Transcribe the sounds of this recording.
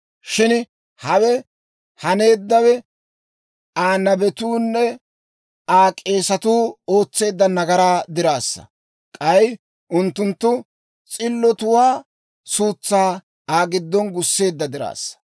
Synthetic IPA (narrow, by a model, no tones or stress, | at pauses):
ʃɪn | hɐwɛ | hɐne̞ːd̪ːɐwɛ | aːnɐbɛt̪uːnːɛ | aːkʼe̞ːsɐt̪uːo̞ːt͡sːe̞ːd̪ːɐnɐɡɐɾaːd̪ɪɾaːsːɐ̰ | kʼɐj | ʔʊnt̪ːʊnt̪ːʊ | t͡sʼɪlːɔt̪ʊwaː | suːt͡sːaː | aːɡɪd̪ːɔnɡʊsːe̞ːd̪ːɐd̪ɪɾa̰ːsːɐ̥